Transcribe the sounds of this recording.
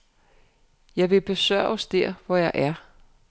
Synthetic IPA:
jɑ̈ɪʋe̝b̥e̝sɶɐ̰ɒsd̥eɐ̰ʋɒjɑ̈ɪʔæɐ

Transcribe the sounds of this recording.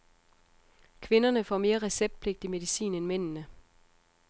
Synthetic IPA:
kʰʋe̝nɐnəfɒ̰me̝ːɐʁɛseb̥̚d̥̚pʰle̝ɡ̥̚d̥ime̝ðˠisḭːnenmen̰nə

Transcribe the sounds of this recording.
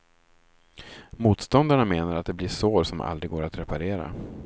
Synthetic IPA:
muːt̪st̪ɔnd̪aɳameːnaɾat̪̚d̪ɛblɪʂoːɾsɔmʔa̰ld̪ɾɪɡoːɾat̪ɾɛpaɾeːɾa̰

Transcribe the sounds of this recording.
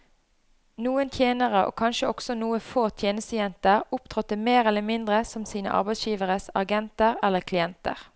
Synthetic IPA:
nuːənt̪ʰjeːnəʁəʔo̰ːkʰɑnʃəɔɡ̥sɔnuːəfoːt̪ʰjeːnəst̪əjɛnt̪əʁʊpt̪ʰʁɔt̪̚ːəmeːʁɛlːəmɪnd̪ʁəsɔmsiːnə̰ʔɑ̰ʁbæɪsjiːʋəʁəsɑɡɛnt̪əʁɛlːəkʰlɪɛnt̪ə̰ʁ

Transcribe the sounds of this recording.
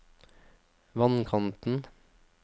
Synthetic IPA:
ʋɑnkʰɑnt̪n̩

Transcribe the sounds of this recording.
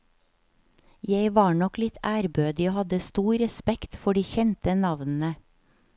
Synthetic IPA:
jeɪʋɑːɳɔklɪt̪ʰæːɾbøːd̪ɪoːhɑd̪əst̪uːɾɛspɛkt̪fɔɖiːçɛnt̪ənɑʋnn̩ə

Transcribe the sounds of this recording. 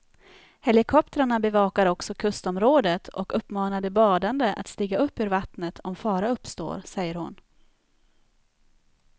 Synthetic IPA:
hɛlɪkʰɔp̚t̪əɾaɳabɛvɑːkaɾɔksɔkʰɵst̪ɔmɾoːd̪ət̪ʰɔkɵpːmɑːnad̪əbɑːd̪and̪əʔa̰t̪st̪iːɡaɵpːʉːɾvat̪nət̪ʰɔmfɑːɾaɵpːst̪o̰ːɾsɛjːəɾhʊn

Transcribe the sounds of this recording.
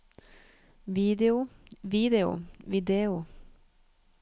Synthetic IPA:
ʋiːd̪ɛʊʋiːd̪ɛʊ̰ʋɪd̪eːʊ

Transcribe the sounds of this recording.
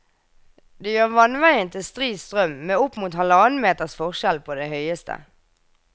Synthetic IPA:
d̪eːjøːʁʋɑnʋæɪənt̪ʰɪst̪ʁiːst̪ʁœmmeːʊpmuːt̪hɑləɑnmeːt̪əʁsfɔʁʃɛlpʰoːd̪ehœʏəst̪ʰə̰

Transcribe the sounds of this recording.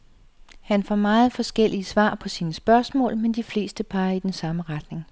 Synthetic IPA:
hænfɒ̰mɑ̈ːð̞̩ˠfɒ̽sɡ̥el̰iəsʋɑ̰̈ːpʰɒ̽siːnəsb̥ɶɐsmɔ̰̽ːlmend̥ifle̝̰ːsd̥əpʰɑ̈ːid̥ensɑ̈məʁɑd̥ne̝ŋ

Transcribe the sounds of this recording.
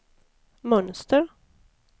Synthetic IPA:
mɵnst̪əɾ

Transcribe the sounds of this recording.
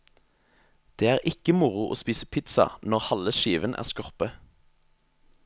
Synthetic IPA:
d̪̥eːæːʁʔɪkəmʊʁʊʔo̰ːspiːsəpʰɪt̪sɑ̰nɔʁhɑləʃiːʋənʔæ̰ːʁskɔʁpə

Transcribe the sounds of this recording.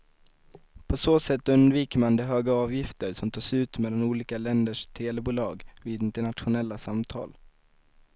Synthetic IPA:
pʰɔsoːsɛt̪ːɵnd̪viːkəmand̪ɛɦøːɡaɑːvjɪft̪əɾsɔmt̪ʰɑːʂʉ̟ːt̪mɛlːanuːliːkalɛnd̪əʂt̪ʰeːlɛbuːlɑːɡviːd̪ɪnt̪əɳat̪ɧʊnɛlːasamt̪ʰɑ̰ːl

